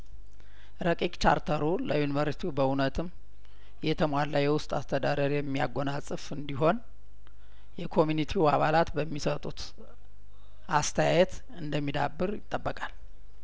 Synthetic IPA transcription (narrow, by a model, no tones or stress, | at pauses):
ɾəkʼikʼt͡ʃa̰ɾt̪ʰəɾuləjunivəɾist̪ʰubəunət̪ʰɨm | jɛt̪ʰəmwad̪lajːɛwʊst̪ʼast̪ʰəd̪ad̪əɾjɛmːija̰ɡːo̞nasʼɨfɨnd̪iɦo̞n | jɛkʰo̞mjunit̪ʰiaβalat̪bəmːisət̪ʼut̪ | ʔast̪ʰəjajɛt̪ | ɨnd̪əmːid̪abːɨɾjɪt̪ʼːəbːəkʼal